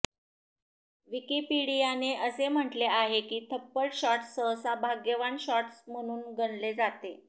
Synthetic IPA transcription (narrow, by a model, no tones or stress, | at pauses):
ʋikipiɽijaneʔəsem̤əʈleaɦekiːt̪ʰəpːəɽɕɔʈsəɦsabʱaɡjəʋaɳɕɔʈsm̤əɽ̃uːnɡʱəɳled͡zat̪e